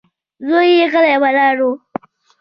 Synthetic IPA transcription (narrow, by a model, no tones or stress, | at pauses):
zoːjijekɐlajabalaːɽoː